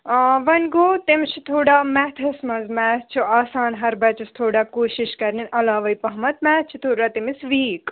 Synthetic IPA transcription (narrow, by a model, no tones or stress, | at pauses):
ʋɐnɡoːt̪imt͡ʃʰit̪ʰoːɽaːmɛːt̪ʰɐsmɐzmɛːtt͡ʃʰiaːsaːnɦɐɾbɐt͡ʃust̪ʰoːɽakoːʃiʃkɐɾninʔɐlaːʋɐjpɐɦmɐt̪mɛːt͡ʃʰit̪ʰoːɽaːt̪imisʋiːk